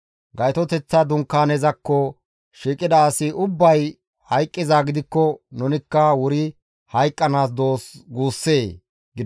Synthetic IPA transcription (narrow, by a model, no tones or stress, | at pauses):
ɡɐjt̪ɔt̪ɛt͡sːɐd̪ʊŋkːaːnɛzɐkːɔ | ʃiːkʼɪd̪ɐːsɪʔʊbːɐj | hɐjkʼːɪzaːɡɪd̪ɪkːɔnʊnɪkːɐwʊɾɪ | hɐjkʼːɐnaːs̬d̪oːsɡuːsːeː | ɡɪd̪